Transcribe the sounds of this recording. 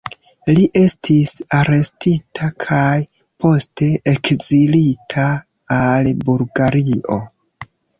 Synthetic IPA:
liʔe̞stʰisaɾe̞stitʰakʰaj | pʰo̞ste̞ekzilitʰaː | lbulɡaɾiʔo̞̰

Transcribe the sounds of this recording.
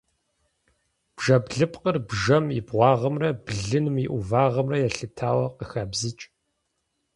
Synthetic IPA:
b̥ʒɐbɮɨpʼqərbʒɐmibʁʷɑːʁɐmrɐbɮɨnɨmiʔuvaːʁɐmrɐjɛɬɨtʰaːwɐqəxaːbzɨt͡ʃʼ

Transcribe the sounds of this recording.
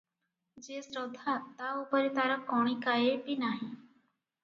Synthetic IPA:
d͡ʒesɾəd̪ʱːat̪aupəɾit̪aɾəkːoɽ̃ikajepinaɦi

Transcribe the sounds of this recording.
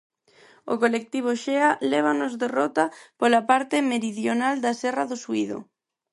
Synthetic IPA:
o̰kolek̚t̪iβ̞oʃealɛβ̞anozðerɔt̪apolapaɾt̪ɪmeɾiðjonald̪asɛraðosuiðo̰

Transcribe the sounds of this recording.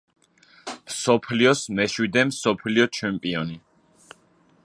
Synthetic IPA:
msɔpʰliɔsmɛʃwid̪ɛmsɔpʰliɔt͡ʃʰɛmpʼiɔni

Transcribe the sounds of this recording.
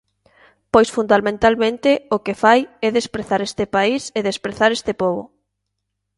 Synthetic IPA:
pojsfund̪almẽnt̪almẽnt̪ɪʊkefajɛðespɾeθaɾest̪ɪpaiseðespɾeθaɾest̪ɪpoβʊ̰

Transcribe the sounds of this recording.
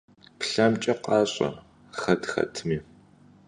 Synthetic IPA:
pɬɐmt͡ʃʼɐqɑːɕʼɐ̰ | xɐtxɐ̰tʰmiː

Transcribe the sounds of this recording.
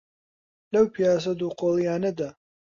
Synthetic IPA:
lɐwpʰijaːs̬ɐd̪uqoːlˠijaːnɐd̪a

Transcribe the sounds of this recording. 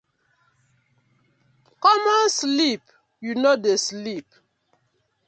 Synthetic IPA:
kɔmɔnslip | junodeslip

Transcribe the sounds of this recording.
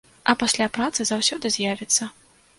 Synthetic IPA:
ɐpasʲlʲapɾat̪sɨzawsʲɔd̪ɨzʲjavʲɛt̪sːɐ

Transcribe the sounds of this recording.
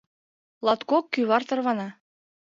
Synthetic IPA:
lɑt̪kokːyβɑrt̪ɤ̆rβɑnɑ

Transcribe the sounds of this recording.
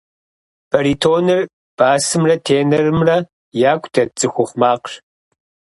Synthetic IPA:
b̥ɐɾiːtʰoːnɨr | b̥aːsɨmrɐtʰeːnɐrɨmrɐ | jaːkʷʰʼdʰɐt͡sʼɨxʷʊχʷmaːqɕ

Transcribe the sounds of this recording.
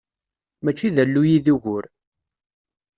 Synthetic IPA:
mæt͡ʃːiðəlːujiðuʝʊɾ

